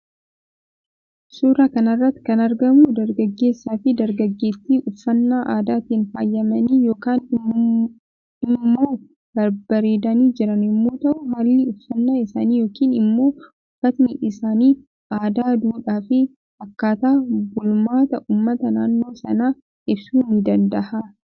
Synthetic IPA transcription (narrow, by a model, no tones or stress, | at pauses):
suːɾaːkɐnɐrːɐt̪ːɪ̥kɐnɐɾɡɐmud̪ɐɾɡɐɡːe̞ːsːaːfɪd̪ɐɾɡɐɡːe̞ːsːiːʔʊfːɐnːaːʔaːd̪aːt̪iːnfaːjːɐmɐniːjo̞ːkaːn | ɪmːo̞ː | b̥ɐɾbɐɾe̞ːd̪ɐniːd͡ʒɪɾɐnɪmːo̞ːt̪ɐʔʊmaːlːɪʊfːɐnːaːɪsa̰ːniːjo̞ːkiːnɪmːo̞ː | ʊfːɐt̪nɪʔɪsaːniː | ʔaːd̪aːd̪uːᶑaːfɪ | ɐkːaːt̪aːbʊlmaːt̪ɐʔuːmːɐt̪ɐnaːnːo̞ːsɐnaː | ʔɪbsuːnɪd̪ɐnd̪ɐha